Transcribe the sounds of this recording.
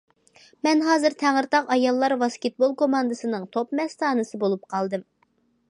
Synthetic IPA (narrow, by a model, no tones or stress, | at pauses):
mɛnɦɑːzɨɾt̪ʰæŋɨɾt̪ɑqɑjɑlˠːɑɾwɑskʲet̪̚bolˠkomɑnd̪ɨsɨnɨŋt̪ʰopmɛst̪ʰɑːnɨsɨbolˠup̚qʰɑlˠd̪ɨm